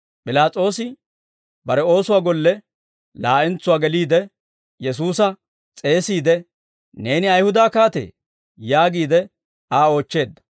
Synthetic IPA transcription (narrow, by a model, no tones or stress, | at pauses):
pʼɪlaːt͡sʼo̞ːsɪ | bɐɾɛo̞ːsʊwaːɡɔlːɛ | laːʔɛnt͡sːʊwaːɡɛliːd̪ɛ | jɛs̬uːsɐ | t͡sʼe̞ːsiːd̪ɛ | ne̞ːnɪɐjhʊd̪aːkaːt̪ḛː | jaːɡiːd̪ɛ | aːo̞ːt͡ʃːe̞ːd̪ːɐ̥